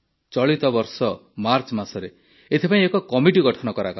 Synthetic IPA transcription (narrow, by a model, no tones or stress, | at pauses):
t͡ʃɔɭit̪ɔbɔɾsɔmaɾt͡ʃmasɔɾe | et̪ʰepãĩekɔkɔmiʈiɡɔʈʰɔnɔkɔɾakɔ